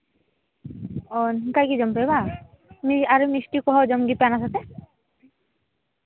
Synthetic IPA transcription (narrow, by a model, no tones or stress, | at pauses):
ɔnkajkid͡ʒɔmpejba | miaɾimisʈikɔɦɔd͡ʒɔmɡipanasat̪e